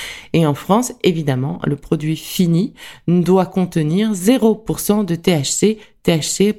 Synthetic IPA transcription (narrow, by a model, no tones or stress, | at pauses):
eɑ̃fχɑ̃sevid̪amɑ̰̃ləpχɔd̪ɥifinid̪wakɔ̃t̪əniʁzeʁopuʁsɑ̃d̪ət̪eaʃset̪eaʃse